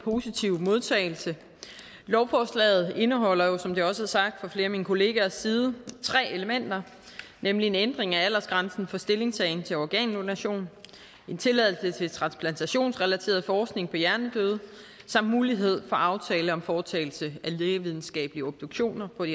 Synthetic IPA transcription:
pʰo̝ːsit͡sʰiʊmo̝ð̞ˠt͡sʰɛ̰ːɪl̩sə | lɒʊfɒslɛ̰ːð̞̩ˠe̝nəɦɒ̽l̰ɐjo̝sɒ̽md̥e̝ɒ̽səæɐsɑ̈ɡ̥̚d̥fɒ̽fle̝ːɐminkʰo̝le̝ːɡ̥æɐsiːð̞̩ˠət͡sʰʁɛ̰ːe̝ləmen̰d̥ɐ | nemlie̝nend̥ʁeŋææl̰ɐsɡ̥ʁɑ̈nsn̩fɒ̽sd̥e̝le̝ŋsɛɪn̩t͡sʰe̝lɒɡ̥ɛ̰ːnonæɕo̝̰ːn | e̝nt͡sʰe̝læðˠl̩sət͡sʰe̝lt͡sʰʁɑ̈nspʰlænt͡sʰæɕo̝̰ːnsʁɛlæt͡sʰe̝̰ːɐð̞ˠfɒːsɡ̥ne̝ŋpʰɒ̽jæɐnəd̥øð̞ˠ | sɑ̈m̰d̥muːliɦe̝ð̞̰ˠfɒ̽ʔɑ̈ʊt͡sʰɛːləɒ̽mfɒːt͡sʰɛ̰ːɪl̩səæleːʋið̞ˠn̩sɡ̥ɛ̰ːb̥liəɔ̽b̥̚d̥oɡ̥ɕo̝̰ːnɐpʰɒ̽

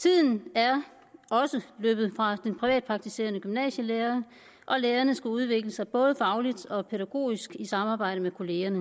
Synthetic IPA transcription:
t͡sʰið̞̰ˠn̩æɐ | ɒ̽səløːb̥ð̩ˠfʁɑ̈d̥enpʰʁiʋɛ̰ːd̥pʰɑ̈ɡ̥̚t͡sʰise̝̰ːɐnəɡ̥ymnɛ̰ːɕəleːɐ | ʔɒ̽leːɐnəsɡ̥æuð̞ˠʋe̝ɡ̥ləsɑ̈ɪb̥ɔ̽ːð̞ˠəfɑ̈ʊlid̥ɒ̽pʰeɾæɡ̥o̝̰ːisɡ̥isɑ̈mɑ̈ːbɑ̈ɪ̰ɾ̥əmekʰo̝le̝ːɐnə

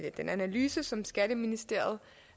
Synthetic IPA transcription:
d̥enænælyːsəsɒ̽msɡ̥æɾ̥əminisd̥e̝ɐ̰ð̞̩ˠ

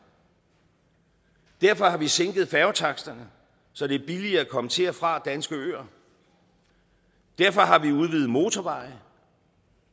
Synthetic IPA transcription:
d̥æɐfɒ̽hɑ̈ʋiseŋɡ̥ð̩ˠfæɐʊt͡sʰɑ̈ɡ̥sd̥ɐnə | sɒ̽d̥e̝ɐb̥iliɐækʰɒ̽mət͡sʰe̝æfʁɑ̈d̥ænsɡ̥əø̰ːɐ | d̥æɐ̰fɒ̽ɦɑ̈ʋiuð̞ˠʋiːð̩ˠmo̝ːt͡sʰɒʋɑ̈ɪ

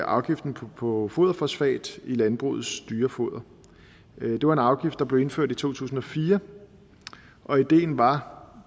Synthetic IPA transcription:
ʔɑ̈ʊɡ̥ifd̥n̩ʰpʰɒ̽fo̝ðˠɐfɒsfɛ̰ːd̥ilænb̥ʁṵð̩ˠsd̥yːɐfo̝ðˠɐ | d̥e̝ʋɑ̈e̝nɑ̈ʊɡ̥ifd̥ɑ̈b̥le̝e̝nføɐ̰d̥it͡sʰo̝̰ːt͡sʰṵːs̬n̩ɒ̽fiːɐ | ʔɒ̽id̥e̝̰ːn̩ʋɑ̈

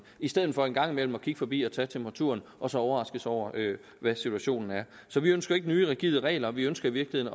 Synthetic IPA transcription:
isd̥eð̰̩ˠfɒ̽e̝nɡ̥ɑ̈ŋ̰imel̰m̩ɒ̽kʰiɡ̥əfɒ̽b̥ḭːɒ̽t͡sʰɛ̰ːt͡sʰempʰʁɑ̈t͡sʰṵɐnʔɒ̽sɒ̽ɒʊɐʁɑ̈sɡ̥əsɒʊ̰ɐʔø | ʋæsit͡sʰuæɕo̝̰ːnn̩æɐ | sɒ̽ʋiønsɡ̥ɐe̝ɡ̥ənyːʁɛɡ̥iðˠʁɛ̰ːlɐʋiønsɡ̥ɐiʋiɐɡ̥lihe̝ðˠn

